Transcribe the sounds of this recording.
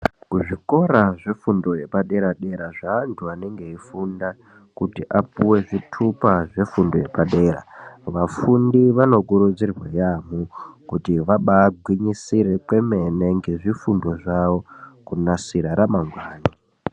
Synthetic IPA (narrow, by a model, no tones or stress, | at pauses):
kuʐiko̞ɾaʐefundo̞je̞paɗe̞ɾaɗe̞ɾaʐaːntʰuane̞ŋɡe̞ifunda | kutiʔap̚uwe̞ʐitʰupaʐe̞fundoje̞paɗe̞ːɾa̰ʋafundiʋano̞kuɾud͡zirwajamukutiʋaɓaːɡʱwiɲisiɾe̞kwe̞me̞ne̞ŋɡe̞ʐifundo̞ʐaʋo̞kunasiɾaɾamaŋɡwaːni